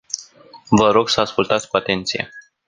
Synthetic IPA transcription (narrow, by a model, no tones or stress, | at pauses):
vəɾo̞ɡsəaskult̪at̪sʲkuat̪e̞nt̪sije̞̰